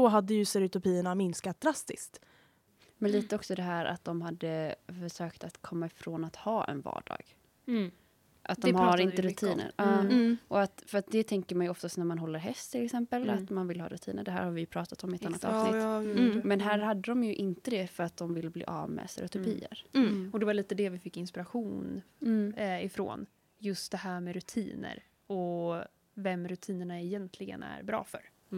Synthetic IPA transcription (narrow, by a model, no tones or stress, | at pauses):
ɔɦad̪ːəjɵsɛɾʊt̪ʊpiːəɳamɪnskat̪̚d̪ɾast̪ɪskt̪ | mɛnliːt̪əɔksɔd̪ɛɦæːɾʔa̰t̪̚d̪ɔmɦad̪ːəfœʂøːkt̪at̪kʰɔmːaɪfɾoːnat̪hɑːʔɛ̰nvɑ̰ːɖɑ̰ːɡ̥ | ʔat̪̚d̪ɔmhaɾɪnəɾʉt̪ʰiːnə̰ɾɑːʔɔat̪fœɾat̪̚d̪ɛt̪ʰɛŋkəɾmanjɔft̪ast̪næɾmanɦɔlːəɾɦɛst̪ʰːɪlɛksɛmpəlat̪manvɪlːhɑ̰ːɾɵt̪ʰḭːnəɖɛɦæ̰ːɾhaɾvɪjɵpʰɾɑːt̪at̪ɔmɪɛt̪anːat̪ɑ̰ːvsnɪmɛnɦæːɾhad̪ːəd̪ɔmjɵʔɪnt̪əd̪ɛfœɾat̪̚d̪ɔmvɪlːblḭːʔɑ̰ːvmɛ̰ːsɛ̰ɾʊt̪ʊpʰḭːə̰ɾɔd̪ɛvaɭiːt̪əd̪ɛvɪfɪkːɪnspɪɾaɧuːnː | ɪfɾo̰ːn | jɵst̪̚d̪ɛhæːɾmɛɾɵt̪ʰḭːnə̰ɾ | ɔ | vɛmːɾʉt̪ʰiːnəɳaɛjɛnt̪ʰlɪɡə̰næ̰ɾbɾɑ̰ːfœ̰ɾ